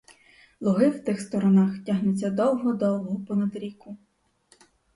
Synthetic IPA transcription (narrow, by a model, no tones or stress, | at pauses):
lˠʊɦɪwt̪ɪxst̪ɔɾɔnaxtʲaɦnʊt͡sʲːɐd̪ɔwˠɦɔd̪ɔwˠɦɔɦɔpɔnɐd̪ɾʲikʊ